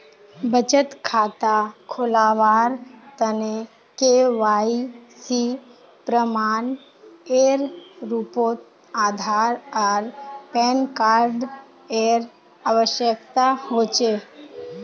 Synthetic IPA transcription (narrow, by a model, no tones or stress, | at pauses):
bət͡ʃət̪kʰaːt̪akʰolaːʋaːɾt̪əne | keʋaːisi | pɾəmaːn | eːɾɾupoːt̪ | aːd̪ʱaːɾəɾpɛːnkaːɾɖ | eːɾ | aːʋəʃjəkt̪ahoːt͡ʃeː